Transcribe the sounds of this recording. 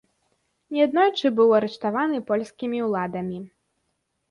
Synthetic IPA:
nʲɛad̪nɔjt͡ʂɨbɨwɐɾɛʂt̪avanɨpɔlʲsʲkʲimʲiwlˠad̪ɐmʲi

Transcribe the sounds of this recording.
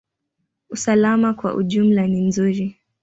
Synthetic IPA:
usalamakwa̰ʔṵʄum̩lanim̩zuɾi

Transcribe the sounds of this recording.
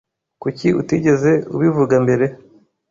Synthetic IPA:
kuciutiɟe̞ze̞ṵβivuɡambe̞ɾe̞

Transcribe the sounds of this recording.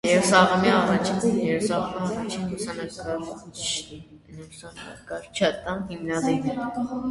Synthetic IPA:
jɛɾusɑʁɔmiɑrɑt͡ʃʰinjɛɾusɑʁɔmiɑrɑt͡ʃʰinlusɑnɑɾkɑɾ | nusɑnɑ̰ɾkɑɾt͡ʃʰɑt̪ɑnhimnɑziv

